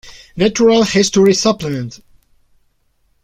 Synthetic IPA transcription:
næt͡ʃuɹalˠhɪstɔɹisʌpləmɛ̃nt

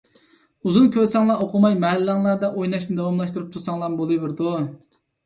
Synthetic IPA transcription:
uzunkʲʰøɾsɑŋlˠɑʔoqʰʊmɑjmɛɦælːɑŋlˠɑɾd̪ɛʔojnɑʃnɪd̪ɑwɑmlˠɑʃt̪uɾup̚t̪ʰusɑŋlˠɑbolˠɨvɪɾd̪u

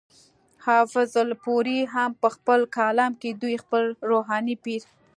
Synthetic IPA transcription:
hɑfɪzəlpoɾiɦampəxpəlkɑlɑmked̪ujxpəlɾoɦɑnipiɾ

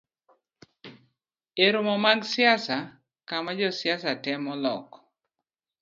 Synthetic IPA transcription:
eɾomɔmaɡsjasa | kamad͡ʒɔsjasatɛmɔlɔk

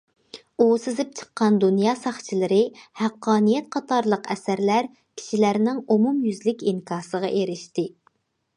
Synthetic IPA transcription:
usɪzɪp̚t͡ʃʰə̥qːɑnd̪unjɑːsɑχt͡ʃʰilˠɨɾɨhæqːɑːnijɛt̪̚qʰɑt̪ʰɑɾlˠəqʰɛsæɾlæɾ | kʲʰi̥ʃilæɾnɪŋumumjyzlɪkʲiŋkʰɑːsəʁɑʔeɾɪʃt̪ɪ

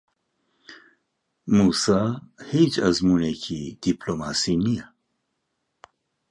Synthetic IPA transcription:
musahit͡ʃʰazmunɛkʰid̪̥ipʰlɔmasinija

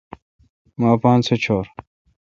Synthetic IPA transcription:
maːpãːnsʰet͡ɕʰoːɾ

